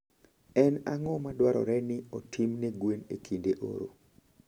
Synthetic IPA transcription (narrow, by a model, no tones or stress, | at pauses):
ɛnaŋɔmadwaɾɔ̰ɾɛnɪɔtʰimneɡwenekʰindeʔo̰ɾo̰